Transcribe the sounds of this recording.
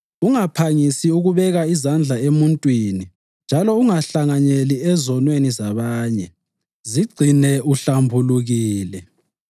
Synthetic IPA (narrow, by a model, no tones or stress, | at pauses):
uŋapʰaŋisiuɣuβɛɣaizand͡ɮʱaemuntʼwini | nd͡ʒʱalɔuŋaɬaŋaɲeliɛzɔnwenizaβaːɲɛ | ziɡ͡ǀʱinɛʔuɬambʱuluɣiːlɛ